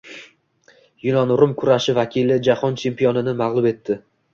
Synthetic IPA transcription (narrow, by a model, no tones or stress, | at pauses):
jʊnɒnɾʊmkʰʊɾaʃɪvakʲʰɪlɪd͡ʒahɒnt͡ʃʰe̞mpijɒnɪnɪmaʁlˠʊbe̞t̪ʰːɪ